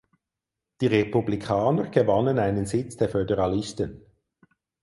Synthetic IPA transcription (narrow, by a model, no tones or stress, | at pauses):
d̥iːʁepublikʰaːnəʁɡ̥əvɑnənaɪnənzɪt͡sd̥eːɐfødəʁɑlɪstən